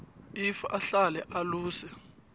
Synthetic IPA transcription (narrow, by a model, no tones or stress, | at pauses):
ifaʔaɬalɛʔaluːsɛ